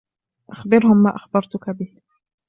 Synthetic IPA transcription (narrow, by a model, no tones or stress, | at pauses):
ʔaxbɪɾhʊmːaːʔaxbɑɾˤt̪ʊkabɪh